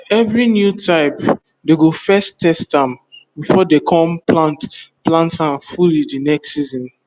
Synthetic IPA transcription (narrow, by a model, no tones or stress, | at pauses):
ɛvɹinjutʰaɪp | deɡofɛstʰɛstãmbifɔdekʰɔ̃mplantplãntãnfulidinɛkstsizɔ̃n